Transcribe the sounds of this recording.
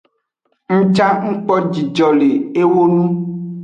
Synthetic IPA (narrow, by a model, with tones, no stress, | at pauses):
ŋ̩̃˦t͡ʃa˦ŋ̩˦k͡pɔ˦d͡ʒi˨d͡ʒɔ˨le˨e˦wo˦nũ˦